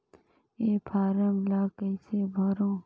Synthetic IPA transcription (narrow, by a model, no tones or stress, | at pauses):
eːpʰaːɾəmlaːkɐjsebʱɐɾõː